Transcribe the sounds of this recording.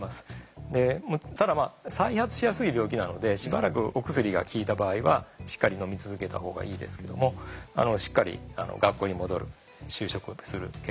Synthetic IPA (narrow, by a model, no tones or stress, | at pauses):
masɨ̥d̪e̞mot̪ad̪amaːsaihat͡sɨ̥ɕijasɨibʲjo̞ːkʲinano̞d̪e̞ɕiba̰ɾakɯ̟ʔo̞kɯ̟sɨɾʲiɡa̰kʲiːt̪abaːiβaɕi̥kːaɾʲino̞mʲit͡sɨzɨke̞t̪a̰ho̞ːɡa̰ʔiːd̪e̞̰sɨ̥ke̞d̪o̞̰mo̞a̰no̞ɕi̥kːaɾʲḭa̰no̞̰ɡakːoːɲ̟imo̞d̪o̞ɾɯ̟ | ɕɨːɕo̞kɯ̟sɨɾɯ̟ke